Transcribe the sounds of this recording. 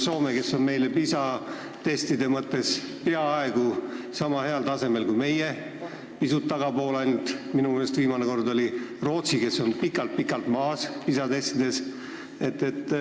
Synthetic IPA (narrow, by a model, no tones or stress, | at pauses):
so̞ːmeke̞sːo̞nme̞jle̞pisɑ | t̪e̞st̪id̪e̞mɤt̪ːe̞spe̞ɑɑeɡ̥u | sɑmɑɦe̞ɑlt̪ɑse̞me̞lkujme̞je | pisut̪ːɑɡɑpo̞ːlɑjnt̪minume̞ːlest̪viːmɑneko̞rd̪o̞lʲiro̞ːt̪sike̞sːo̞npikːˑɑlt̪̚pikːˑɑlt̪mɑːspisɑt̪e̞st̪id̪e̞s | e̞t̪ːe̞t̪ː